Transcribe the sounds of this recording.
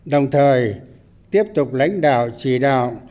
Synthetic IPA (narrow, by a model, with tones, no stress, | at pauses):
ɗə˨˩wŋ͡mt̪ʰəː˨˩j | t̪i˦˥əp̚t̪ʊ˨˩k͡p̚la̰˧˥jŋ̟ɗa̰ː˧˨wt͡ɕi˧˩˨ɗa̰ː˧˨w